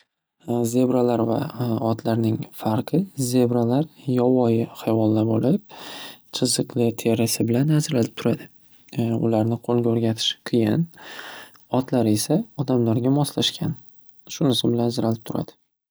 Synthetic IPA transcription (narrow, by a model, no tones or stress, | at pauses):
ze̞bɾalaɾva̰ɒt̪ʰlaɾnɪŋfaɾqʰɨze̞bɾalaɾjɒvɒjɪhajvɒlˠːabɒlɪp̚t͡ʃʰɨzɨqlɪt̪ʰe̞ɾasɪbɪlanhazɾlalɪp̚t̪ʰʊɾad̪ɪ | ʊ̰laɾnɪqʰolˠɡʲaoɾɡʲat̪ʰɪ̥ʃqʰijɪ̰n | ɒt̪laɾe̞saɒd̪amlaɾɡʲamɒslaʃkʲʰan | ʃʊnɪsɪbɪlanzɪɾalɪp̚t̪ʰʊɾa̰d̪̥ɪ̥